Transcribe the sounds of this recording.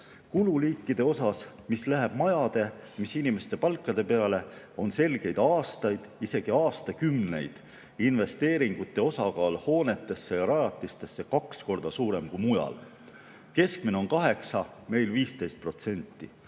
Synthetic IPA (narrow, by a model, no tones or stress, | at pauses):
kululiːkːˑid̪̥e̞o̞sɑs | mislæɦeb̥mɑjɑd̪̥e̞misinimest̪e̞pɑlkˑːɑd̪e̞pe̞ɑle̞ | o̞nse̞lɡ̥e̞jd̪̥ɑːst̪ɑjd̪̥ise̞ɡ̥iɑːst̪ɑkymne̞jd̪̥ | inve̞st̪e̞ːɾiŋɡ̥ut̪ːˑe̞o̞sɑɡɑːlho̞ːne̞t̪ːˑe̞sːe̞jɑɾɑjɑt̪ːˑist̪e̞sːe̞kɑksko̞rd̪̥ɑsuːɾe̞mkujmujɑ̰l | ke̞sk̚mine̞o̞nkɑɦe̞ksɑ | me̞jlviːst̪e̞jst̪̚pro̞t̪se̞nʲt̪ːˑḭ